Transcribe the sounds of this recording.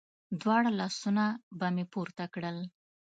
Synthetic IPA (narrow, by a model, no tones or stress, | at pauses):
d̪wɑɽalɑsunabamepuɾt̪akɽəl